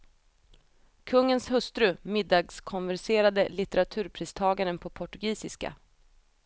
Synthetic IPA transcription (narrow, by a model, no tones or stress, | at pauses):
kʰɵŋːənshɵst̪ɾɵmɪd̪ːɑːɡskʰɔnvæɾʂeːɾad̪əlɪt̪ɛɾat̪ʰʉ̟ːɾpʰɾiːst̪ʰɑːɡaɾənpʰɔpʰɔʈɵɡiːsɪska̰